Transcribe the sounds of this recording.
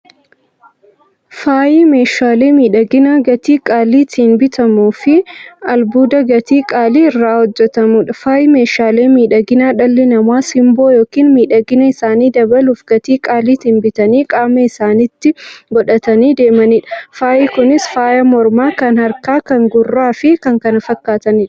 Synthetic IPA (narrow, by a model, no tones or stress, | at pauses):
faːjiːme̞ːʃaːleːmiːᶑɐɡɪnaːɡɐt̪iːkʼaːliːt̪iːnbɪt̪ɐmuːfɪɐlbuːd̪ɐɡɐt̪iːkʼaːliːɪrːaːhɔd͡ʒːɛt̪ɐmuːᶑɐfaːjɪme̞ːʃaːle̞ːmiːᶑɐɡɪnaːᶑɐlːɪnɐmaːsɪmboːjoːkiːnmiːᶑɐɡɪnɐɪsaːniːd̪ɐbɐluːfɡ̥ɐt̪iːkʼaːliːt̪iːnbɪt̪ɐniːkʼaːmɐɪsaːnit̪ːɪɡɔᶑɐt̪ɐniːd̪e̞ːmɐniːᶑɐfaːʔɪkʊnɪsfaːjɐmɔɾmaːkɐnhɐɾkaːkɐŋɡʊrːaːfɪkɐŋkɐnɐfɐkːaːt̪ɐnɪːᶑ